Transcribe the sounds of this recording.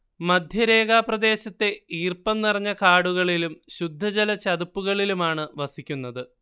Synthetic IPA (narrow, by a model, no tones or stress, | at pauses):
mɐd̪ʱjɐɾe̞ːɡaːprɐd̪e̞ːɕɐt̪ːe̞iːrpɐnnirɐɲːɐkaːɽuɣɐɭilumɕud̪ʱːɐd͡ʑɐlɐt͡ɕɐd̪upːuɣɐɭilumaːɳɨʋɐsikʲːunːɐðɨ